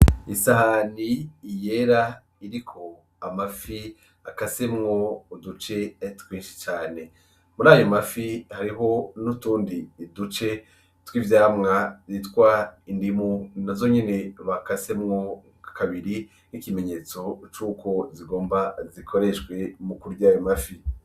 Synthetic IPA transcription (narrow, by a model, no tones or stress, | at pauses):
isahaniːje̞ɾa | iɾikʰo̞ | amafi | akase̞mŋo̞udut͡ʃe̞twiːnʃi̥t͡ʃaːne̞ | muɾaːjomafihaɾiɦo̞nutuːndiːdut͡ʃe̞ | twiːvjaːmŋaɾitwaindimunazo̞ɲe̞ne̞βakase̞mŋo̞ | kakʰaβiɾi | nikime̞ɲe̞ːt͡so̞t͡ʃuːko̞ziɡo̞ːmbazikʰo̞ɾe̞ʃɡwe̞mukuɾujaːjomafi